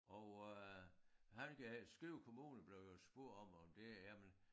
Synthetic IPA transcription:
ʔɒʊ | hænkæsɡ̥ʁiʊkʰo̝muːnn̩b̥le̝ʊjosb̥o̝ɐ̰d̥ɒ̽mɒ̽md̥e̝æmen

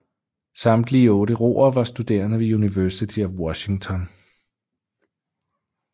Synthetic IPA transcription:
sɑ̈md̥liːəɔ̽ːɾəʁo̝̰ːɐʋɑ̈sd̥ud̥e̝̰ːɐnəʋe̝juniʋæɐsit͡sʰiɒwɒ̽ɕiŋt͡sʰɒ̽n

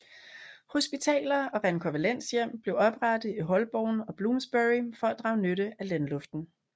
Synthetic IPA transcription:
ho̝sb̥it͡sʰɛ̰ːlɐɒ̽ʁænkʰoʋælen̰sjem̰b̥le̝ʊɒ̽b̥ʁaɾ̥ð̩ˠiɦɒ̽lb̥ɒʊ̰nɒ̽b̥luːmsb̥eʁifɒ̽æd̥ʁɑ̈ʊnøɾəælænlɔ̽fd̥n̩

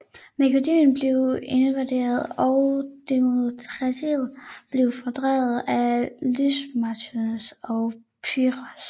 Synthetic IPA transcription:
mekʰo̝dḭːnb̥le̝ʊe̝nəʋæd̥e̝̰ːɐð̩ˠɒʊd̥emot͡sʰʁɑseð̩ˠb̥le̝ʊfɒd̥ʁɛ̰ːð̩ˠælysmɑt͡sʰonsɒʊ | pʰyʁɐas

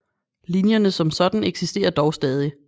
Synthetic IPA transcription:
linjɐnəsɒ̽msɒ̽d̥n̩eɡ̥sisd̥e̝̰ːɐd̥ɒʊsd̥ɛːð̞ˠi

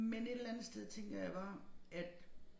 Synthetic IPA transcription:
mene̝d̥lænð̩sd̥eð̞ˠt͡sʰeŋ̰ɡ̥ɐjɑ̈ʋɑ̈ʔæd̥

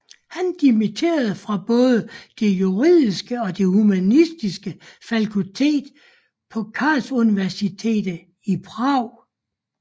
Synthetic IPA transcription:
hænd̥imit͡sʰe̝̰ːɐð̞̩ˠfʁɑ̈b̥ɔ̽ːð̞ˠəd̥e̝juʁið̰ˠisɡ̥əɒ̽d̥e̝humænisd̥isɡ̥əfælkʰut͡sʰe̝̰ːd̥ | pʰɒ̽kʰɑ̈ːlsuniʋæɐsit͡sʰe̝̰ːd̥ə | ib̥ʰʁɑʊ̰

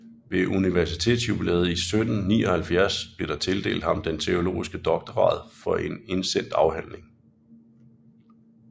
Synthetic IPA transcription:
ʋe̝ʔuniʋæɐsit͡sʰe̝̰ːd̥sjub̥ilɛ̰ːð̞̩ˠisød̥n̩nḭːɒhælfjæɐsb̥leɐɾ̥ɑ̈t͡sʰe̝ld̥e̝̰ːld̥hɑ̈md̥ent͡sʰe̝o̝lo̝̰ːisɡ̥əd̥ɒ̽ɡ̥d̥ɐʁɑ̰̈ːð̩̰ˠfɒ̽ʔe̝ne̝nsen̰d̥ɑ̈ʊhæn̰le̝ŋ

